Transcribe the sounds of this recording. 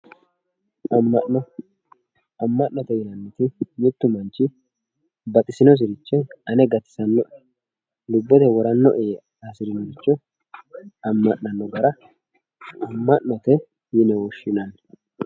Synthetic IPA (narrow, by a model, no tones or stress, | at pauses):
ɐmːɐɔ | ɐmːɐʔnɔt̪ɛjɪnɐnːɛt̪ɪmɪt̪ːʊmɐnt͡ʃːɪ | bɐt̪ʼɪsɪnɔs̬ɪɾɪt͡ʃːɛɐnɛɡɐt̪ːɪ̥sɐnːɔʔɛ | lʊbːɔt̪ɛwɔɾɐnːɔʔɛ | asɪɾɪnɔɡɪt͡ʃːɔ | ɐmːɐʔnɐnːɔɡɐɾɐ | ɐmːɐʔnːɔt̪ɛ | jɪnɛwɔʃːɪnɐn